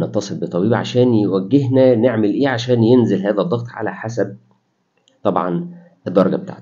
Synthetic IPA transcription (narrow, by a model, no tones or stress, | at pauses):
net̪ːɑsˤelbet̪ˤːɑbiːbʕa̰ʃæːnjewæɡːeɦnæneʕmelʔeːʕaʃæːnjenzelhæːðæd̪ˤːɑɣt̪ˤʕa̰læħasæb̚ | t̪ˤɑbʕɑ̰n | ʔed̪ˤːɑɾˤɑɡɑbet̪a̰ːʕt̪